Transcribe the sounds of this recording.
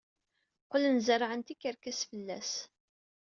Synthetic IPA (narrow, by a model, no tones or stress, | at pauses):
qʊlənzərʕənt̪ikːəɾkæsfəlːæ̰s